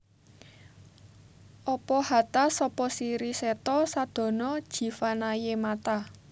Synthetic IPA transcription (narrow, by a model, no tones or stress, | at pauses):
ʔɔpɔhat̪asɔpɔsiɾisɛt̪ɔsad̪̥ɔ̤nɔd̥ʒ̥i̤fanajemat̪a